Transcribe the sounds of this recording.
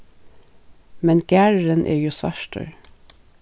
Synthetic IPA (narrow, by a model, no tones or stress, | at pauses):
mɛnɡ̥æːɹɹənʔḛːjuːsʋæ̰ʃʈə̰ɹ